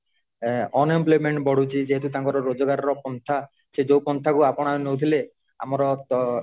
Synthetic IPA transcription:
ɔnemplojmeɳʈbɔɽ̤ut͡ʃʰid͡ʒeɦet̪ut̪aŋkɔɾɔɾod͡ʒɔɡaɾɔɾɔpɔnt̪ʰa | ʃed͡ʒowpɔnt̪ʰakuapɔɽ̃anowt̪ʰile | a̰mɔɾɔt̪

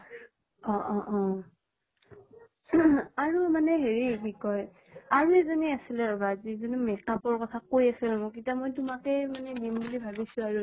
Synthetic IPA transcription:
ɔ̃ʔɔ̃ʔɔ | aɹumanɛɦeɹibikɔj | aɹuɛzoniasilɛɔbazizonmɛkapɔɹkɔtʰakojasilmɔk̬itamojtʊmakɛmanɛnimbulibʱabisʊ̃aɹu

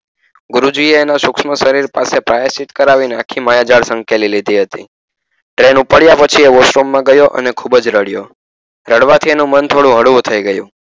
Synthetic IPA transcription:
ɡʊɾud͡ʒieːnaʃʊkʃməʃəɾiɾpasepɾajəsit̪kəɾaʋineakʰimajad͡ʒaɽsə̃ŋkelilid̪ʱiɦət̪ḭ | ʈɾenupəɽjapət͡ʃʰieʋoʃɾomːãɡəjoʔə̰nekʰubəd͡ʒɾəɽjo | ɾəɽʋat̪ʰienũmənt̪ʰoɽũɦəɽʋut̪ʰəiɡəjṵ̃

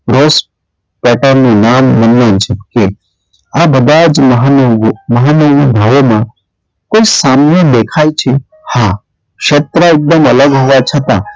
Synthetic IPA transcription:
ɾoːs | pɛːʈaɾnũnaːmːɐnːent͡ʃʰɐb̚ke | abəd̪aːd͡ʒmɐɦaoɡmɐɦanoɡubʱaːʋomã | koːisaːmned̪eːkʰaːit͡ʃʰe | ha | kʃet̪ɾaɪk̚d̪əmɐləɡɦoʋat͡ʃʰət̪a

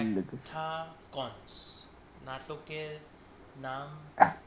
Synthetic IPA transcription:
ɛŋɡleɡt̪ʰakɔns | naʈokeɾ | nam

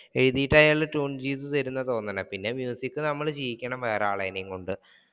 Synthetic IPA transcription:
e̞ɻiðijiʈːaːjaːɭːɐʈuːnt͡ɕiːt̪̬ːut̪ɐɾunːɐt̪o̞ːnːɐnɐpinːe̞mjuːsikːɨnɐmːɐɭt͡ɕijikʲːɐɳɐmʋeːraːɭɐjinejŋkoɳɖɨ

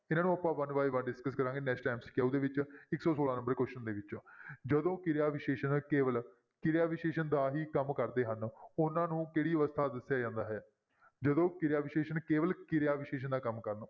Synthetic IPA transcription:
ɪnãːnũːəpãːʋənʋaːiːʋənɖɪskəskəɾãːŋɡeːnɛːksʈaːmsɪ̥kaːud̪eːʋɪt͡ʃɪksɔːsoːlaːnə̃mbəɾkwʊʃənd̪eːʋɪt͡ʃõːd͡ʒəd̪õːkɪɾjaːʋɪʃeːʃənkeːʋəl | kɪɾɪjaːʋɪʃeːʃənd̪aːɦiːkəmkəɾd̪eːɦənʊnãːnũːkeːɽiːʋəst̪ʰaːd̪əsːjaːd͡ʒãːnd̪aːɦɛː | d͡ʒəd̪õːkɪɾjaːʋɪʃeːʃənkeːʋəlkɪɾɪjaːʋɪʃeːʃ̬ənd̪aːkəmkəɾn

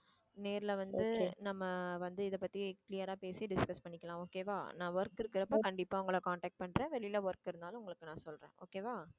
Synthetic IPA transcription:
neːɾɪlɐʋɐnd̪ɯnɐmːɐʋɐnd̪ɯɪðɐpːɐt̪ːiklɪjɐɾaːpeːsiɖɪskɐspɐɳːɪkːɐlãːoːkeːʋa̰ːnãːʋɐɾkɪɾɯkːɪɾɐpːoːkɐɳɖɪpːaːʊŋɡɐɭkaːɳʈɛːk̚ʈ̚pɐɳɾẽːʋɛɭɪjlɐʋɐɾkːɪɾɯnd̪aːlʊ̃ʊŋɡɐɭɯkːɯnãːsɔlɾḛ̃ːʔoːkeːʋaː

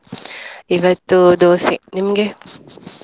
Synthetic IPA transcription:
iʋɐt̪ːud̪oːsḭnimɡe

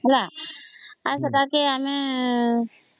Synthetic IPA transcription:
la | as̬ɐd̪akeamẽ

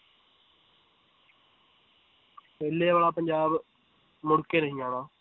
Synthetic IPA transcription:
peːlːeːʋaːlaːpəɲd͡ʒaːb | mʊɽkeːɾəɦiːãːnãː

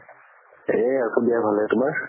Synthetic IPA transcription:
eakobiabʱalɛtʊmaɹ

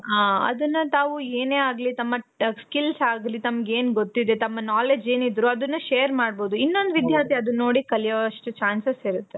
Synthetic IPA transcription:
aːɐ̰d̪ɐnːɐt̪aːʋueːne̞ːaːɡlit̪ɐmːɐskilsaːɡlit̪ɐmɐɡeːnɡot̪ːid̪e̞t̪ɐmːɐnaːled͡ʒe̞ːnid̪ɾuɐd̪ɐnːɐʃeːɐɾmaːɖbo̞ːd̪uinːo̞nd̪ʋid̪ʱjaːt̪iɐd̪unːo̞ːɽikɐljɐɐʂʈut͡ʃaːnsɐsiɾut̪ːe

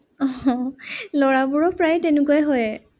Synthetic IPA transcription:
ɔ̃ | lɔɹabʊɹɔpɹajtɛnʊkɔjɦɔjɛ

